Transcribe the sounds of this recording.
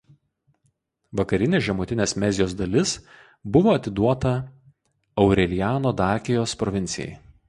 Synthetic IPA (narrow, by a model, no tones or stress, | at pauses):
ʋɐkɐɾʲɪnʲeːʒʲɛmʊːt̪ʲɪnʲeːsmʲɛzʲɪjoːsd̪ɐlʲɪs | bʊʋoːɐt̪ʲɪd̪uɔt̪ɐ | ɐʊɾʲɛlʲɪjæːnoːd̪ɑːkʲɪjoːspɾɔʋʲɪnʲt̪sʲɪjɛ̰j